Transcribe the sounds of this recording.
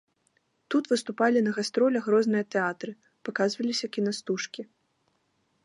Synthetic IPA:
t̪ut̪vɨst̪upalʲinɐɣast̪ɾɔlʲɐɣɾɔznɨjɐt̪ɛat̪ɾɨ | pakazvɐlʲisʲɐkʲinɐst̪uʂkʲi

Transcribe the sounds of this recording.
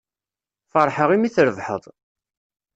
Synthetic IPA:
fəɾˤħəʁimiθɾəvħə̰ðˤ

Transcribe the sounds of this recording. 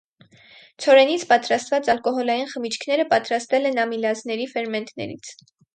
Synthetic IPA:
t͡sʰɔɾɛnit͡sʰpɑt̪ɾɑst̪vɑt͡sɑlkɔɦɔlɑjinχəmit͡ʃʰkʰnɛɾəpɑt̪ɾɑst̪ɛlɛnɑmilɑznɛɾifɛɾmɛnt̪nɛ̰ɾḭt͡sʰ

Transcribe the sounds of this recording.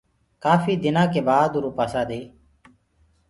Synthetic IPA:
kaːfiːd̪ɪnãːkeːbaːd̪ːɾõːpaːsaːd̪eː

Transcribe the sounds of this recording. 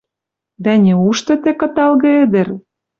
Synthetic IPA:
d̪ænʲeuʃt̪ɤ̆t̪ekɤ̆t̪ɑlɣɤ̆ĕd̪ɘ̆r

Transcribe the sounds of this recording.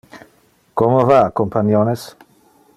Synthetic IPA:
komovaakompanjones

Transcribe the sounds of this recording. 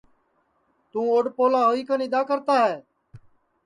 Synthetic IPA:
t̪ũːoːɖpoːlaːɦoːiːkənɪd̪aːkəɾt̪aːɦɛː

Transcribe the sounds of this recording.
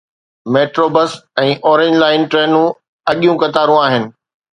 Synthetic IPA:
meːʈɾoːbəsɛ̃ːʔɔːɾẽɲd͡ʑlaːɪnʈɾeːnũ | ɐɠijũkɐt̪aːɾũaːɦɪnɪ̆

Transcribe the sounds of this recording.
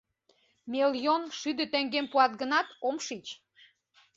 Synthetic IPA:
meljonʃyd̪ə̆t̪eŋɡempuɑt̪̚ɡənɑt̪omʃit͡ɕ

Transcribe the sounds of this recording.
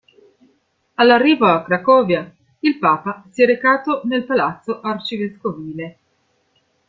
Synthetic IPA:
alːarːiːvoakɾakɔːvja | ilpaːpasiɛɾekaːt̪onelpalat̪sːoʔart͡ʃiveskoviːle

